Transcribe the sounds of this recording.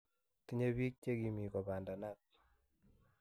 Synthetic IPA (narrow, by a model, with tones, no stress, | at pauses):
ti˦ɲe˦βi˦k̚t͡ʃe˦ki˨mi˨kɔ˨ba˨nda˨na˦t̚